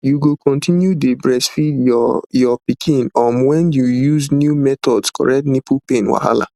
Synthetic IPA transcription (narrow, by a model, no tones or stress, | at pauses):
juɡokɔ̃ntĩnjudebɹɛsfidjɔjɔpikʰĩnɔmwɛ̃njujuznjumɛtɔdskɔ̰ɹɛktnipupẽnwa̰ɦa̰la̰